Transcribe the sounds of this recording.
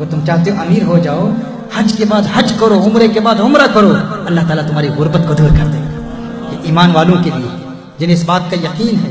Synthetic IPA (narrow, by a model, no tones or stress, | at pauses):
ɡɐɾt̪ʊmt͡ʃaːɦt̪eɦõʔɐmiːɾɦod͡ʒaːo | hɐd͡ʒkebaːd̪hɐd͡ʒkɐɾoʊmɾekebaːd̪ʊmɾakɐɾoɐlːaɦt̪aːlat̪ʊmɦaːɾiɣʊɾbət̪̚kod̪uːɾkɐɾt̪e | jeʔiːmaːnʋaːlõkelije | d͡ʒɪneɪsbaːt̪̚kajɐqiːnɦɛ